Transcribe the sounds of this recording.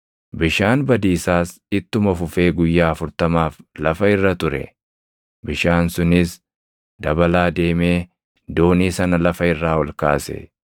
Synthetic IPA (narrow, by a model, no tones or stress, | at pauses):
bɪʃaːnbɐd̪iːsaːs | ɪt̪ːʊmɐfʊfe̞ːɡʊjːaːɐfʊɾt̪ɐmaːflɐfɐɪrːɐt̪ʊɾɛ̰ | bɪʃaːnsʊnɪs | d̪ɐbɐlaːd̪e̞ːme̞ː | d̪o̞ːniːsɐnɐlɐfɐɪrːaːwɔlka̰ːsɛ̰